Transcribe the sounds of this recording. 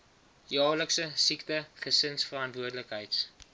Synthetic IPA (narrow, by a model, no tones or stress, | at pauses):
jɑːləksəsiktəχəsənsfərɐntvuərdləkɦəjts